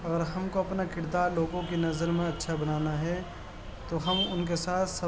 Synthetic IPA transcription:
ɐɡəɾɦɐmkoɐpnakɪɽd̪aːɾloːɡõkinɐzəɾmẽɐtːʃʰabɐnaːnaɦɛ | t̪oɦɐmʊnkesaːt̪ʰsɐ

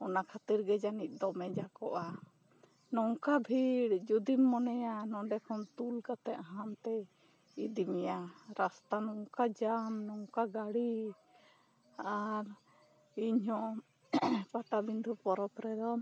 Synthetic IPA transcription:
ɔnakʰat̪iɾɡɛd͡ʒanic̪̚ˀd̪ɔmɛd͡ʒakɔʔa | nɔŋkabʱiɽd͡ʒud̪imːɔnɛjanɔ̃ɖɛkʰɔnt̪ulkat̪ɛʔɦamt̪ɛ | id̪imɛjaɾast̪anɔŋkad͡ʒamnɔŋkaɡaɽi | aɾ | iɲɦɔ̃ʔ | paʈabind̪ʱupɔɾɔp̪ɾɛd̪ɔ

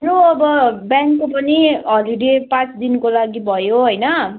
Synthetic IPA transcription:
ɾoʌbʌbjaŋkːopʌniɦʌliɽepãt͡sd̪inkolaɡibʱʌjoɦʌjnʌ

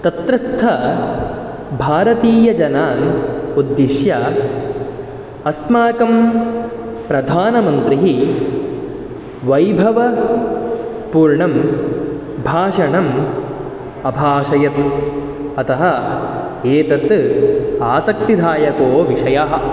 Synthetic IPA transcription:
t̪ɐt̪ɾɐst̪ʰɐ | bʱaːɾɐt̪iːjɐd͡ʒɐnaːnud̪ːiʃjɐ | ɐsmaːkɐm | pɾɐd̪ʱaːnɐmɐnt̪ɾiɦi | ʋɐjbʱɐʋɐ | puːɾɳɐm | bʱaːʂɐɳɐm | ɐbʱaːʃɐjɐt̪ | ɐt̪ɐɦɐ | eːt̪ɐt̪ | aːsɐk̚t̪id̪ʱaːjɐkoːʋiʂɐjaɦɐ̆

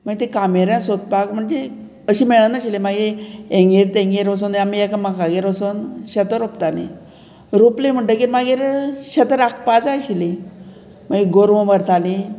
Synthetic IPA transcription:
m̤əɳd͡ʑet̪ikameɾjãsot̪̚pakm̤əɳd͡ze | əɕiːmeɭənəɕilimaɡiẽŋɡiɾt̪ẽŋɡiɾəs̬uːnamiekamakaɡeɾʋəsunɕət̪əɾopt̪alḭ | ɾuplem̤əɳʈəkimaɡiɾɕet̪əɾak̚ʰpat͡saɕili | maɡiɡoɾʋõbəɾt̪ʰalĩ

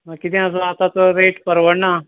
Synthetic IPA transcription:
makit̪ɛ̃əs̬əat̪at̪əɾeʈpəɾʋəɽna

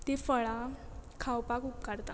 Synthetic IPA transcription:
t̪efəɭakʰawpakupkaɾt̪a̰

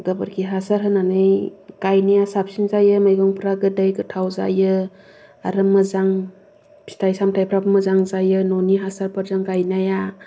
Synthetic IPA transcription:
ɡɯbɯɾkʰiɦasaɾɦɯnanɯjɡ̥ajnijasap̚sinzajɯmajɡɔŋpʰɾaɡɯdajɡɯtʰawza̰jɯ | aɾɯmɯzaŋ | si̥tʰajsamtʰajpʰɾabɯmɐzaŋzajɯnɔniɦasaɾpaɾzaŋɡajnaja

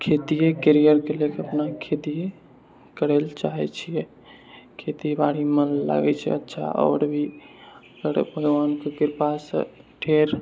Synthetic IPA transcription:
kʰet̪ijekeɾijəɾkelekeəpnakʰet̪ije | kəɾɛlt͡ʃaɦɛt͡ʃʰijɛ | kʰet̪ibaɽimənla̰ɡɛt͡ʃʰɛ̰ətːʃʰa̰ʔɔ̰ːɾbʱi | kəɽebʱəɡʋankeɡiɾpasə̰ʈʰeɾ

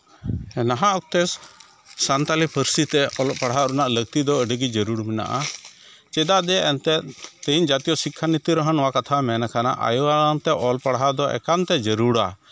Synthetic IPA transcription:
ɛnaɦãʔɔk̚t̪ɛs | sant̪alipʰəɾsit̪ɛɔlɔʔpaɽɦaɾunaʔlək̚t̪id̪ɔəɖəɡid͡ʒəɾuɽmɛna̰ʔa̰ | t͡ʃɛd̪aʔd̪ɛʔɛnt̪ɛt̪̚t̪əɲd͡ʒat̪ijɔsikʰːanit̪iɾəɦənɔwakat̪ʰamɛnakʰana̰ʔa̰juwaant̪ɛʔɔlpaɽɦad̪ɔʔɛ̰kant̪ɛd͡ʒəɾuɽa̰

